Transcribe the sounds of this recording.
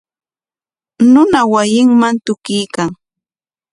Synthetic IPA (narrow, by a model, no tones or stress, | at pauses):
nʊnawajɪŋmant̪ʊkɪjkaŋ